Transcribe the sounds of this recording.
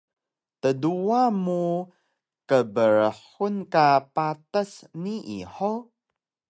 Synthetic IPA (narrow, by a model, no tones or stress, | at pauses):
təduamu | kəbəɾəħunkapatəsniʔiħo